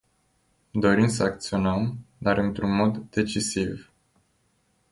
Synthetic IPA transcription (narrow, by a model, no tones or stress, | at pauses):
d̪o̞ɾimsəakt̪sio̞nəmd̪aɾɨnt̪ɾunmo̞d̪ːe̞t͡ʃisiv